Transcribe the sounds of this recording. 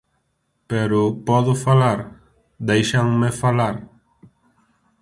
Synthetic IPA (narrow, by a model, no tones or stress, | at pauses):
pɛɾopɔd̪ofalaɾ | d̪ajʃaŋmefalaɾ